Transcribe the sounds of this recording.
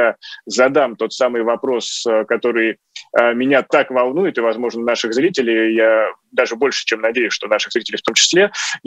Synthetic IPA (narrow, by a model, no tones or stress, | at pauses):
azɐd̪amt̪o̞t̪samɨjvɐpɾo̞səkɐt̪o̞ɾɨj | əmʲɪnʲat̪akvɐlˠnujɪt̪ɨvɐzmo̞ʐnənaʂɨɣzɾʲitʲɪlʲɪjja | d̪aʐɨbo̞lʲʂɨ̥t͡ɕemnɐdʲejʊsʂt̪o̞naʂɨɣzɾitʲɪlʲɪjft̪o̞mt͡ɕɪ̥sʲlʲe